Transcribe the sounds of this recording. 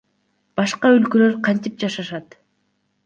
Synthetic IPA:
b̥ɑʃqɑø̞lkølø̞ɾqʰɑnt̪ip̚d͡ʒɑʃɑʃɑt̪

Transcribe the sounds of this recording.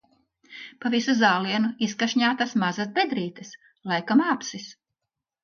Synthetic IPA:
pavisuzaːlˠiɛnuiskaʃɲaːt̪asmazas̬bed̪ɾiːt̪ɐs | lˠajkamaːpsis

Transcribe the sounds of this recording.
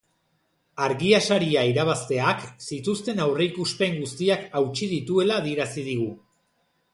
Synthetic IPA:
aɾɣiasaɾiaiɾaβ̞ast̪e̞aksit̪ust̪e̞nawre̞ikuspe̞ŋɡust̪iakawt͡ʃið̞it̪ue̞laːð̞ie̞ɾasið̞iɣu

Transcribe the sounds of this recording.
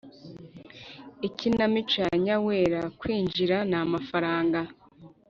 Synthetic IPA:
icinamit͡ʃaɲawe̞ːɾakwiːɲd͡ʒiɾanaːmafaɾaːŋɡa

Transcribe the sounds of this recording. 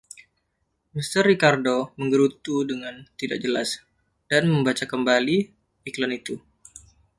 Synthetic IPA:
mist̪ərːikardoməŋɡəɾut̪udəŋant̪idaʔ̚d͡ʒəla̰s | d̥anməmbat͡ʃakəmbali | iklanit̪u

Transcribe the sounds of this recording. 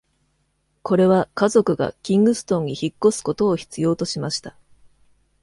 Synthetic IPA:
ko̞ɾe̞β̞akazo̞kɯ̟ɡa̰kʲĩŋɡɯ̟sɨ̥t̪õ̞ɲ̟ːiçikːo̞sɨ̥ko̞t̪o̞ːçi̥t͡sɨjo̞ːt̪o̞ɕimaɕi̥t̪ḁ

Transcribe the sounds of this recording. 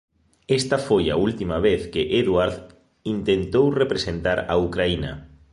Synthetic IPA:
est̪ɐfoja̰ult̪imaβeθkɪʔeðwaɾð | int̪ent̪owrepɾesent̪aɾɐukɾainɐ̰

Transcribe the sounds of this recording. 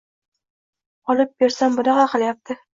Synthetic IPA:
ɒlˠɪp̚beɾsambʊnɑqɑqʰɨljap̚t̪ʰɪ

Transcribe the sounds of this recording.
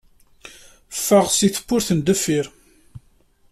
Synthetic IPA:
fːaʁsiθə̥pːʊɾθənd̪əfiɾ

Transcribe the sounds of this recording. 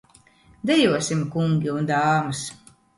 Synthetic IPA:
d̪ɛjuɔsimkuŋɡʲiund̪aːmɨs

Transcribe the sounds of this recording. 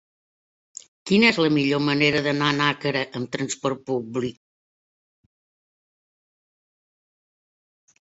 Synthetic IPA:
kinɛzləmiʎoməneɾəðənanakəɾəʔəmt̪ɾənspɔɾt̪̚publik̚

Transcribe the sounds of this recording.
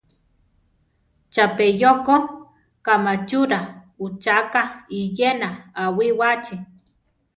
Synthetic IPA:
t͡ʃapejoko | kamat͡ʃuɾa | ut͡ʃakaijenaːwiwat͡ʃi

